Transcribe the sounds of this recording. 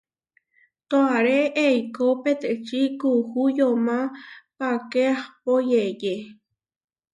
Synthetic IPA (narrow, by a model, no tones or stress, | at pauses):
t̪oaɾeʔeikopet̪eʔt͡ʃikuhujomãpakeahpojeje